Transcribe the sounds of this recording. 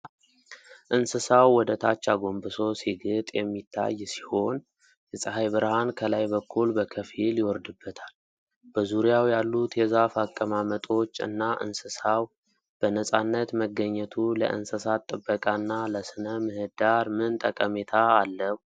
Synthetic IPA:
ʔɨnsɨsawːɔd̪ət̪ʰat͡ʃːaɡo̞mbɨso̞siɡɨt̪ʼjɛmːit̪ʰːa̰jːsi̥ho̞n | jɛsʼəhajβɨɾhankʰəlajbəkʰːulbəkʰəfiljɪwɔɾd̪ɨbːət̪ʰal | b̥əzuɾijawjalːut̪jɛzafakʼːəmamət̪ʼo̞t͡ʃːɨ̰nːaʔɨ̰nsɨsaw | b̥ənəsʼanːət̪məɡːəɲːɛt̪ʰulə̰ʔɨ̰nsɨsat̪ʼːɨbːəkʼanːaləsɨnəmɨhɨd̪aɾmɨnt̪ʼəkʼəmet̪ʰaːlːəwu

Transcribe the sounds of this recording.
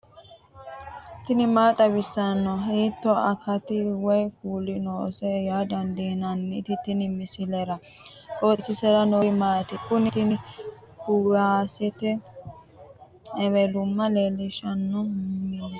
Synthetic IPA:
t̪ɪnɪmaːt̪ʼɐβɪsːɐnːɔɦiːt̪ːɔɐkɐt̪ɪwɔjkuːlɪnoːsɛjaːd̪ɐnd̪inɐnːɪt̪ɪt̪ɪnɪmɪsɪlɛɾɐ | tʼoːsːɪsɛɾɐnojɪmaːt̪ɪkʼʊnɪt̪ɪnɪ | kʰuːɾasɛt̪ɛ | ɛmɛd̪ʊmːɐleːlɪʃɐnːɔmɪ

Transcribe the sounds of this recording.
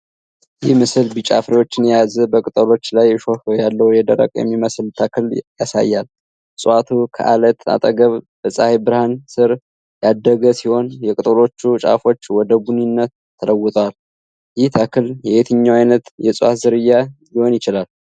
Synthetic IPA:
jɪhmɨsɨlbɨt͡ʃʼa̰fɾewo̞t͡ʃːɪnjɛjazəbəkʼɨt̪ʼəlo̞t͡ʃːlajɛʃofjalːəwjɛd̪əɾə̰kʼjɛ̰mːiməsɨlt̪ʰəkʰɨljasa̰jːal | sʼat̪ʰukʰə̰ʔalət̪a̰t̪ʼəɡəβb̥əsʼahibɨɾhansɨɾ | jad̪ːəɡəsiho̞njɛkʼɨt̪ʼəlo̞t͡ʃːut͡ʃʼa̰fo̞t͡ʃːwɔd̪əbuninːət̪ʰːələwːʊt̪ʼwal | jɪht̪ʰəkʰɨljɛhet̪ʰɨɲːawajnət̪jɛsʼwat̪zɨɾɨjːajiho̞njɪt͡ʃɪlal

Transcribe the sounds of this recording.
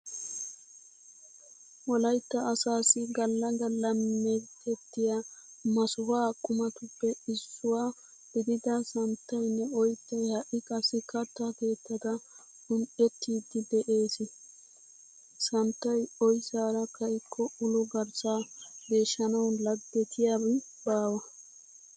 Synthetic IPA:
ʔɔlɐjt̪ːɐːsaːsɪɡɐlːɐɡɐlːɐmːekːɛt̪ːɪja | mɐsʊhaːkʼːʊmɐt̪ʊpːɛɪsːʊwaː | b̥ɪd̪ɪd̪ɐsɐnt̪ːɐjnːɛɔjt̪ːɐjhɐʔɪkɐsɪkɐt̪ːake̞ːt̪ːɐd̪ɐ | hʊnʔɛt̪ːiːd̪ɪd̪ɛʔe̞ːsɪ | sɐnt̪ːɐjɔjsaːɾɐkɐjkʰːɔʊlʊɡɐɾsaːɡe̞ːʃːɐnɐwlɐd̪ːɛt̪ʰɪjabɪ | baːwɐ

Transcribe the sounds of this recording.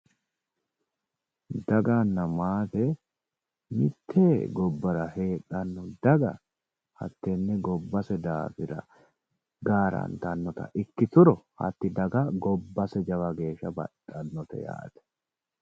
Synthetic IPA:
d̪ɐɡanːɐmaːt̪ɛ | mɪt̪ʰːeːɡɔbːɐɾɐhe̞ːᶑʼɐnːʊd̪ɐɡɐ̰ | hɐ̰t̪ːɛnːɛɡɔbːɐsɛd̪aːfɪɾɐ̰ | ɡaːɾɐ̰nt̪ɐnːɔt̪ɐ̰ʔɪkːɪt̪ʊɾɔhɐ̰t̪ːɪd̪ɐɡɐɡɔbːɐsɛd͡ʒɐwɐɡe̞ːʃːɐbɐ̰ᶑɐnːɔt̪ɛ̰ja̰ːt̪ɛ̥

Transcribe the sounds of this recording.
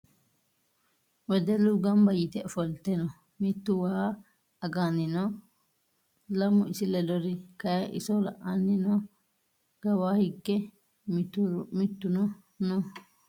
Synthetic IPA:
wɛd̪ɛlʊɡɐmbɐjɪt̪ɛfɔlt̪ɛnɔ | mɪt̪ːʊwaa | ɐɡaːnɪnɔ | lɐmʊɪsɪlɛdɔɾɪkɐjɐʔɪ̰sɔlɐ̰ʔːanːɪnɔ | ɡ̥ɐwaːhɪkːɛ | mmɪt̪ːʊnɔ | nɔ

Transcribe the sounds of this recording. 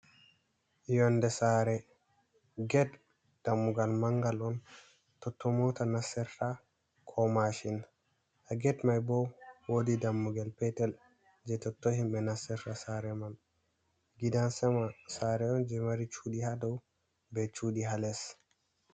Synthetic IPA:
jɔndɛsaɾɛ | ɡɛd | d̥amːuɡalmaŋɡalɔn | tɔtʰːɔmɔtanasɛɾta | kʰɔmaʃin | ʔaɡɛdmajbɔwodidamːuɡalpɛtɛl | d͡ʒɛtɔtːohimbɛnasːɛɾtasaɾɛman | ɡidansɛmasaɾɛɔnd͡ʒɛmaɾit͡ʃuːdihadɔw | bɛt͡ʃudiɦalɛs

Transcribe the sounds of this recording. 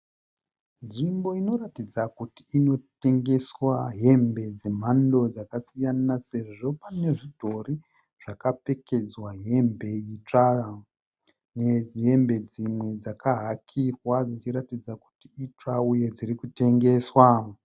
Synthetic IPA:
nʐimbo̞ino̞ɾatid͡zakuti̥ːno̞te̞ŋɡe̞swaɦe̞mbe̞d͡ze̞m̤ando̞d͡zakasijanase̞ʐo̞pane̞ʐidʱo̞ri | ʐ̥akape̞ke̞d͡zwaɦe̞mbe̞it͡ʂa | neɦe̞mbe̞d͡zimwe̞d͡zakaɦakʰirwad͡zit͡ʃiɾatid͡zaku̥tiit͡ʂauje̞d͡zirikute̞ŋɡe̞swa

